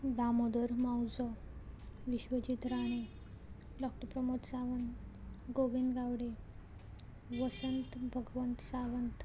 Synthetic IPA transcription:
d̪amod̪əɾmawd͡zə | ʋiɕʋəd͡ʑit̪ɾaɽ̃e | ɖɔk̚ʈəɾpɾəmot̪saʋənɡoʋind̪ɡaʋɽe | ʋəsənt̪bʱəɡʋənt̪saʋənt̪

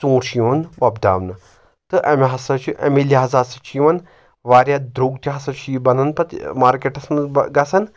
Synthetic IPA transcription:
t͡sõːɾʃiʋɐnʋɐbd̪a̰ːʋnɐ | t̪ɨʔɐmɦɐsɐt͡ʃiʔḛmiliɦɐzaːɾsɐ̥t͡ʃiʋɐn | ʋaːɾʲjad̪ɾuːɡt̪iɦɐsɐt͡ʃibɐnɐnpɐt̪maːɾkeʈɐsnɡɐsɐn

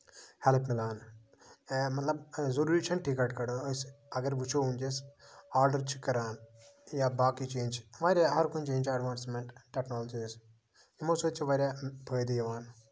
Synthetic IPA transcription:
hɛlpʰmɪlaːn | mɐt̪lɐbzɐɾuɾiːt͡ʃʰɐɳʈikɐɾʈkɐɽəəs | ɐɡɐɾʋut͡ʃʰoũnd͡ʒesaːɾɖəɾt͡ʃʰi̥kɐɾaːnjabaːkit͡ʃeːnd͡ʒʋaːɾʲjaɦɐɾkunt͡ʃẽːnd͡ʒɐɖʋaːnsmeɳʈʈːeknoːlɐd͡ʒis | jimosot͡ʃʰiʋaːɾʲjabʱəːjd̪ijɐʋaːn

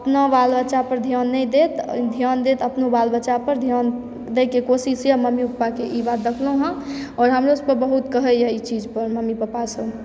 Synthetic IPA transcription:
əpnabalbət͡ʃapəɾd̪ʱijaːnːəĩd̪et̪d̪ʱjaːnd̪et̪əpnubalbət͡ʃapəɾd̪ʱjaːn | d̪ekekosisjəməmipəpːakeʔibaːt̪̚d̪əkʰloɦə̃ɔːɾɦəmɾoʊspəɾbəɦut̪kəɦəjɛ̃it͡ʃid͡ʒpəɾməmipəpasəb

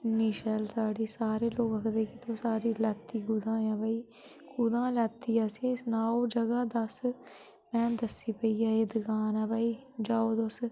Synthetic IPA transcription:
niːʃɛːlsaːɽiːsaːɾeːloːkəkd̪eːkit̪ʰõːsaːɾiːlat̪ːiːɡʊd̪ãːjãːbaːiː | kud̪ãːlat̪ːiːaːsisnaːoːd͡ʒəɡaːd̪əs | mɛ̃ːd̪əsːiːpəiːaːɦeːd̪əkaːnaːbaːiːd͡ʒaːoːd̪os

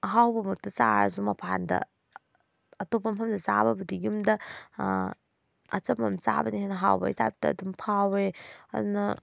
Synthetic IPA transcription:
ɦawbɐmutːɐt͡ʃaɾɐ̰zumɐpʰandɐ̰ | ɐtopɐmɦɐmdɐzabɐbudiɡumdɐ | ɐ̰t͡ʃɐmɐmt͡ʃa̰bɐnihenɐɦa̰wbɐ̰jtab̚tɐːdumpʰaweɐ̰dunɐ

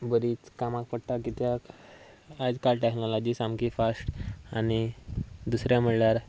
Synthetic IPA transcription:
bəɾiːt͡skamak̚pəɽʈakɡit̪jak | ad͡zkalʈeknɔlɔd͡ʑiːsamkifasʈañid̪usɾjam̤əɽljaɾ

